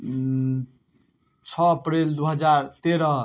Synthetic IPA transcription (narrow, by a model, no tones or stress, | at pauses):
t͡sʰʌːpɾeld̪uɦʌd͡zaɾt̪eɾʌ